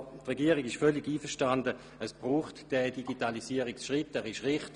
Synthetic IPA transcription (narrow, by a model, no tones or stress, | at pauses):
tʁeɡiːɐʁɪɡɪʃfœlɪɡiːfəʃtandə | əsb̥ʁuːχtd̥ɛdiɡitalisiːəʁɪksʃʁɪtːɛːʁɪʃʁɪχt